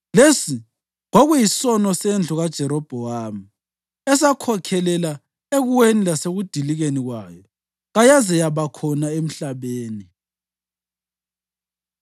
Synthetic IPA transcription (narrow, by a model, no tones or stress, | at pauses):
lesi | ŋoɣujisɔnɔsend͡ɮʱuɣad̥ʒ̥ʱɛɾɔb̥ʱɔwami | ɛsakʰɔkʰɛlɛla | eɣuwenilaseɣud̥ʱiliɣeniɣwaːjɔ | ɣajazɛjaβakʰɔnaem̩ɬaβeːni